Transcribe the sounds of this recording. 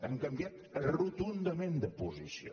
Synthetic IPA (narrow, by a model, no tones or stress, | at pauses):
əŋkəmbiat̪rut̪und̪əmend̪əpuzisio̰